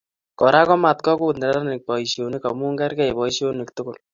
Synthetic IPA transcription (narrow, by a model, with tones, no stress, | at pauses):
kɔ˨ɾa˦kɔ˦ma˨tkɔ˦kʊ˦tnɛ˨ɾa˦a˦nɪ˨k̚pɔ˨i˨ʃjo˨ni˦ka˨mu˦ŋɡɛ˦ɾkɛ˦jpɔ˨i˦ʃo˦nɪ˨ktʊ˦kʊ˨l